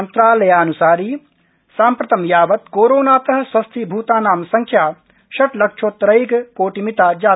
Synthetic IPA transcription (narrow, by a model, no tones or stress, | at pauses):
ɐnt̪ɾaːlɐjaːɐnusaːɾiː | saːmpɾɐt̪ɐmjaːʋɐt̪koːɾoːnaːt̪ɐɦɐ̃swɐst̪ʰibʱuːt̪aːnaːmsɐŋkʰjaː | ʃɐʈlɐkt͡ʃʰoːt̪ɾɐjɡkoːʈimit̪aːd͡ʒaː